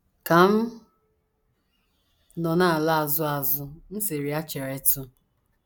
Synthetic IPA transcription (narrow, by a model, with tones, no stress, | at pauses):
ka˨m̩˦ | nɔ˨na˦˨la˦a˨zʊ˦a˨zʊ˦n̩˦se˨ɾi˨a˦t͡ʃe˨ɾe˨tʊ˦